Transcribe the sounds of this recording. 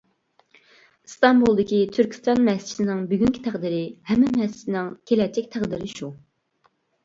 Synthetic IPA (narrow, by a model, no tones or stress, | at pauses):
st̪ɑmbulˠd̪ɪkʲit̪ʰyɾkʲi̥st̪ɑnmɛst͡ʃʰt̪ɪnɪŋbyɡʲyŋkʲʰi̥t̪ʰæχd̪iɾɪhɛmːɛmɛst͡ʃʰit̪ɪnɪŋkʲʰelɛt͡ʃʰːɪk̚ʲt̪ʰæχd̪iɾɪʃu